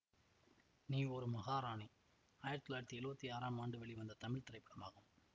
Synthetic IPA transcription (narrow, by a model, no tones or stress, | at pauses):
niːɔɾɯmɐɣaːɾaːɳi | ajɐɾt̪ɪlaːɾt̪ːiɛɻɯbɐt̪ːiaːɾaːmaːɳɖɯʋɛɭiʋɐnd̪ɐt̪ɐmɪɭt̪ɪɾɐɪpːɐɽɐma̰ːɣɐm